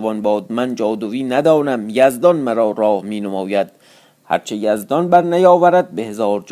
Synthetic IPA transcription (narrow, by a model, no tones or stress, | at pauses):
vɒnbɒːd̪̚mænd͡ʒɒːd̪oviːnæd̪ɒːnæmjæzd̪ɒnmæɾɒːɾɒːhmiːnomɒːjæd̪̥̚ | hæ̰ɾt͡ʃʰejæzd̪ɒnbæɾnæjɒːvæɾæd̪̚behezɒːɾd͡ʒ